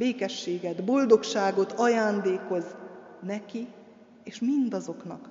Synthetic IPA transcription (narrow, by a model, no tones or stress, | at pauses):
beːkɛʃːeːɡɛd̪bo̞ld̪o̞kʃaːɡo̞t̪ʰɒjaːnd̪eːko̞znɛki | eːʃmind̪ɒzo̞knɒ̰k